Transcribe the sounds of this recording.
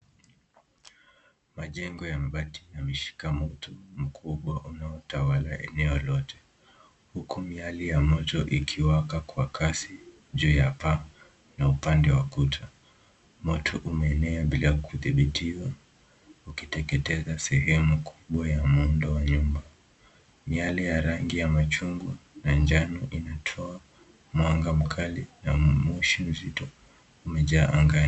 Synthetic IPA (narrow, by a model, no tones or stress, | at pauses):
maʄɛŋɡɔjambati̥namiʃi̥kamɔtʰum̩kʰuɓwaʔunaɔtawalaʔɛ̰nɛɔlɔtʰɛ̥ | hukumialijamɔtɔʔikʰiwakakwakʰasi | ʄujapa | naupandɛwakutʰa | mɔtʰɔʔumɛːnɛaɓilakʰuθiɓitʰiwa | ukitɛkɛtɛzasɛhɛmukʰu̥ɓwajamundɔwaɲumba | mialɛjaɾaŋɡijamat͡ʃuŋɡwanaɲd͡ʒanɔʔinatʰɔa | mwaŋɡam̩kʰalinamuʃim̩zitɔ | umɛʄaːʔaŋɡa